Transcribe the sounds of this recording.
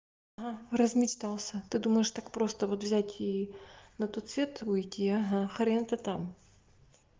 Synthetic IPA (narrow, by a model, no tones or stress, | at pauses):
ɐɦarəzmʲɪt͡ʃt̪alˠsʲət̪ɨd̪uməjɪʂt̪akpɾo̞st̪əvot̪vzʲætʲinɐt̪ot̪svʲet̪ujtʲiɐɦaxɐɾʲent̪ət̪am